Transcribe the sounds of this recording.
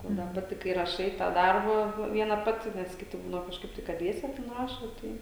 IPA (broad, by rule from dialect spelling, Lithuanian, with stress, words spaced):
ˈoː dɐ ˈpɑːtʲɪ kɐɪ rɐˈʃɐɪ tɑː ˈdɐrbɑː ˈʋʲiɛnɐ ˈpɑːtʲɪ ˈnʲɛs ˈkʲɪtʲɪ ˈbuːdɐʋoː kɐʃˈkɐɪp tɐɪ kɐt ˈdʲʋʲiɛsʲɛ tʲɛn ˈrɑːʃoː ˈtɐɪ